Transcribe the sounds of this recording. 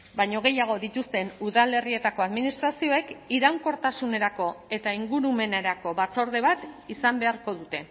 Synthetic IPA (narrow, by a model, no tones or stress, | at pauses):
bajɲo̞ɣ̞e̞jaɣ̞o̞ðit̪ust̪e̞nuðale̞rie̞t̪ako̞aðminist̪ɾasio̞e̞kiɾawŋko̞ɾt̪asune̞ɾako̞e̞t̪aiŋɡuɾume̞naɾako̞βat͡so̞ɾðe̞β̞at̪isambe̞aɾko̞ðut̪e̞